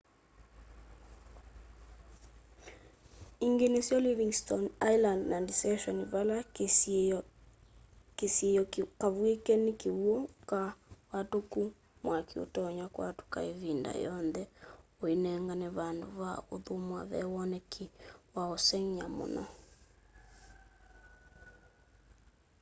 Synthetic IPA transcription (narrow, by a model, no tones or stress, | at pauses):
iŋɡenesjɔliviŋstɔnajlandnandisɛʃɔnβala | kesjejɔkaβuekɛnikeuɔkawatoku | mwakʰio̰tɔɲwakwatu̥ka̰eβinda̰jɔnðɛoenɛŋɡaneβandoβaoðomwa̰βɛ̰wɔnɛkʰewaosɛŋjamo̰nɔ̰